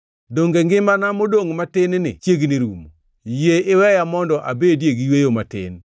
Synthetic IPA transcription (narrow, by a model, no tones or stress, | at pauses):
doŋɡeŋɡɪmanamodoŋmatɪnnɪ̰t͡ʃjeɡniɾumo | jeɪwɛjamɔndɔʔa̰bedjeɡjwejomatɪ̰n